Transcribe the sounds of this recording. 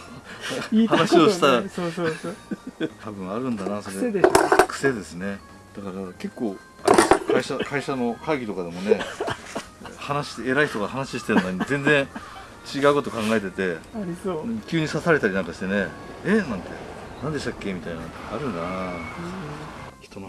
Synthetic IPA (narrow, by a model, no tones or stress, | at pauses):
hanaɕioɕi̥t̪aɾa | t̪ʰabɯ̟̃ɰ̃aɾɯ̟̃nd̪anaso̞ɾekɯ̟̥se̞d̪e̞sɨne̞ | d̪̥akaɾake̞kːo̞ː | a̰ɾʲiaskaiɕakʰaiɕano̞kʰaɡʲit̪o̞kad̪e̞mo̞ne̞ | hanaɕi̥eɾaiçt̪o̞ɡahanaɕiɕi̥t̪e̞ɾɯnoɲizẽ̞nd͡zẽ̞ | t͡ɕiɡaɯ̟ko̞t̪̬o̞kãŋɡae̞t̪̬e̞t̪e̞aɾʲiõkʲɨːɲ̟isasaɾe̞t̪aɾʲinãŋkaɕi̥t̪e̞neenãnt̪e̞nãnd̪e̞ɕi̥t̪akʲːe̞mʲit̪ainaot̪oaɾɯ̟na | çi̥t̪o̞no